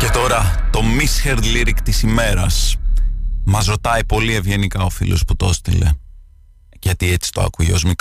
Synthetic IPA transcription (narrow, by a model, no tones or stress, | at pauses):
ce̞t̪o̞ɾɐt̪o̞misçeɾd̪liɾikt̪isime̞ɾɐs | mɐzɾot̪ɐipo̞lie̞vʝe̞nikɐo̞fḭlosput̪ost̪ḭle̞̰ | ʝɐt̪iet͡si̥t̪o̞ɐ̰kujeo̞̰zmik